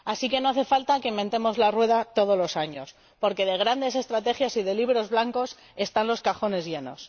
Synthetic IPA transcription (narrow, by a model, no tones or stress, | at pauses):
asike̞no̞aθe̞falt̪ake̞mbe̞nt̪e̞mo̞zlarwe̞ð̞at̪o̞ð̞o̞zlo̞saɲo̞̰s | po̞ɾke̞ð̞e̞ɣ̞ɾand̪e̞s̬e̞st̪ɾat̪e̞xjasiðe̞liβɾo̞zβlaŋko̞s | e̞st̪anlo̞skaxo̞ne̞zʝe̞no̞̰s